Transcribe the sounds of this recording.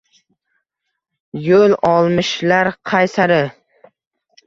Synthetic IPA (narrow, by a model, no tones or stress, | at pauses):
jolɒlˠmɪʃlaɾqʰɑjsaɾɪ